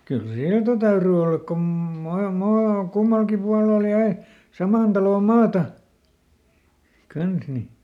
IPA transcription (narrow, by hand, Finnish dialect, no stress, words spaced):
kyl siltɑ tæyry olːɑk kom mɑ mɑː kumːɑlkim puɑlel jæi sɑmɑˑn tɑloˑ mɑːtɑ kɑns ni